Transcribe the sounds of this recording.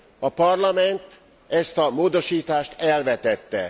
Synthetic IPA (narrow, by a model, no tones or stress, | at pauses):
ɒpɒrlɒmɛnt̪ | ɛst̪ɒmoːd̪o̞ʃiːt̪aːʃt̪ɛlvɛt̪ɛt̪ːɛ̰